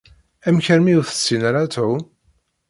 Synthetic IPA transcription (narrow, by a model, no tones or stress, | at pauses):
æmçəɾmiʊθə̥t͡sːinaɾat̪uw